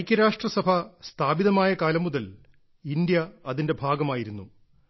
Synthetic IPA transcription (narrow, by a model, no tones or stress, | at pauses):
jkʲːɐɾaːʂʈrɐsɐbʱɐst̪ʰaːbiðɐmaːjɐkaːlɐmːuðɐl | indjɐɐðinde̞bʱaːɡɐmaːjiɾunːu